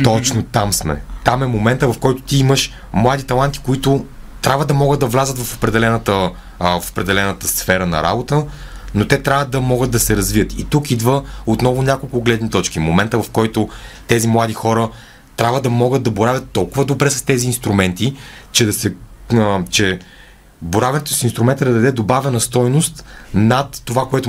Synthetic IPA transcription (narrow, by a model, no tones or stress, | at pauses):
t̪ɔt͡ʃnot̪amsmɛ̰t̪amɛmomɛnt̪əvɐfkɔjt̪ʊ̥t̪iiməʃ | mlˠad̪it̪ɐlˠant̪i̥koit̪ʊt̪ɾʲabvəd̪ɐmɔɡəd̪̚d̪ɐvlʲazət̪vɐfo̥pɾɛd̪ɛlɛnət̪ə | fo̥pɾɛd̪ɛlɛnət̪əsfɛɾənɐ̰ɾa̰bot̪ə | not̪ɛt̪ɾʲavəd̪ɐmɔɡəd̪̚d̪ɐsɛɾɐzvijət̪it̪ukid̪vəot̪nɔvʊnʲakolˠkʊɡlɛd̪nit̪ɔt͡ʃkimomɛnt̪əvɐfkɔjt̪ʊt̪ɛzimlˠad̪ixɔɾə | t̪ɾʲabvəd̪ɐmɔɡət̪̚d̪ɐboɾavʲɐt̪ːɔlˠkʊvəd̪obɾɛsɐst̪ɛziːnst̪ɾumɛnt̪it͡ʃɛd̪ɐsɛ | t͡ʃɛ | boɾavɛnɛt̪ʊ̥sinst̪ɾumɛnt̪əd̪ɐd̪ɐd̪ɛd̪obavɛnɐst̪ɔjnʊst̪nat̪ːovakoɛt̪ʊ